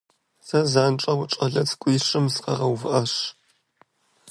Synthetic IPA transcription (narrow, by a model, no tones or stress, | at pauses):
sɐzaːnʈ͡ʂʼɐwʊʈ͡ʂʼɐɮɐt͡sɡʷʼiːʂɨmsqɐ̰ʁɐwvɨʔɐʂ